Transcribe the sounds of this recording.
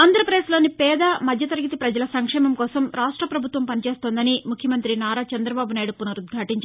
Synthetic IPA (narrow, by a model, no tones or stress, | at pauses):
aːnd̪ɐɾɐpɾɐd̪eːslo̞ːnipɛːd̪ɐmɐd̪ʱjɐt̪ɐɾɐɡit̪ipɾɐd͡ʒɐlɐsɐŋkʂɛːmɐmkɔːsɐmɾaːʂʈɾɐpɾɐbʱut̪ʋɐmpɐnit͡ʃeːst̪oːnd̪ɐnimukʰjɐmɐnt̪ɾinaːɾaːt͡ʃɛnd̪ɾɐbaːbunaːjɽupunɐɾud̪ɡʱɐʈiɲt͡ʃ